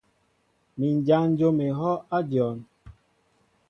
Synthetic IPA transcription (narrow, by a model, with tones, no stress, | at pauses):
mi˨n˨d͡ʒa˦n̩˦d͡ʒo˦me˨ɦɔ˦a˦d͡ʒɔ˨n